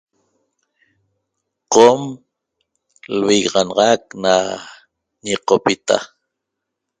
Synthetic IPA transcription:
qom | lwiɣʁɑnɑʁɑk̚na | ɲiqopit̪a̰

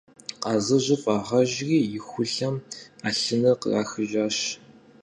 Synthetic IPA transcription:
qɑːzɐʑɪfʼaːʁɐʑɣiːjɪxʷʊɬɐmaːɬɨnɐqə̰raːxɨʒaːɕ

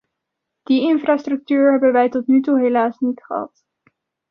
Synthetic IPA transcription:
d̥iɪnfraːstrɵk̚tyːɹɦɛbənʋɛjtɔtnytuɦelaːsnitχəɦɑ̰t

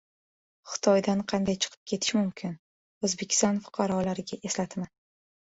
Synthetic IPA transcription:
χɨ̥t̪ʰɒjd̪anqʰɑnd̪ajt͡ʃʰɨ̥qʰɨ̥p̚kʲʰe̞t̪ʰɪ̥ʃmʊmkʲʰɪn | ozbe̞kʲʰɪ̥st̪ɒnfʊ̥qʰɑɾɒlaɾɪɡʲaʔe̞slat̪ʰma

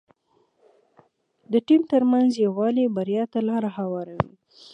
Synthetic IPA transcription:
d̪əʈimt̪əɾmanzjawɑlebaɾjɑt̪alɑɾaɦawɑɾawḭ

